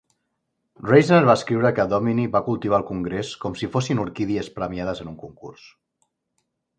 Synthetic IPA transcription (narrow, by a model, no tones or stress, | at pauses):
rejznəɾβaəskɾiwɾəkəðɔminiβakulˠt̪iβ̞alˠkuŋɡɾeskɔmsifosinuɾkiðiəspɾəmjaðəzənuŋkuŋkṵrs